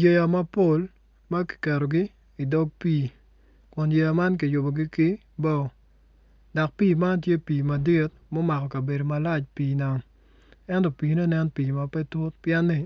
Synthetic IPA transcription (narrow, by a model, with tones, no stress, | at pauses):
je˨ja˨ma˦po˦l | ma˦ki̥˨kɛ˨ɾo˨ɡɪ˦ | i˨dɔ˦ɡ̚piː˦ | kʊ˨nje˨ja˨ma˦nk̬ɪ˨jʊ˨bo˨ɡɪ˦kɪ˦ | bɔ˦˨ | da˨k̚piː˦˨ma˦nt̬je˦piː˨ma˨di˦t̚ | mɔ˦ma˨kɔ˨ka˨be˨do˨ma˨la˦t͡ʃpiː˨na˨ŋ | ɛ˦ntɔ˨piː˨nɔ˦nɛ˦npiː˨ma˨pɛ˦tʊ˦tpjɛ˦nːɪ˦